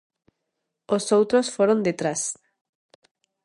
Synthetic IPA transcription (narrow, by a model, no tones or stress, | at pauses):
osowt̪ɾosfoɾõnd̪et̪ɾas